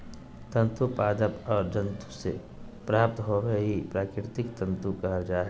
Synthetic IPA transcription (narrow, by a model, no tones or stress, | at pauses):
t̪ə̃nt̪upaːd̪əpɔːɾd͡ʒə̃nt̪usḛ | pɾaːp̚t̪ɦoweɦipɾaːkɾɪɾɪt̪ɪkt̪ə̃nt̪ukɐɦad͡ʒaːɦɛ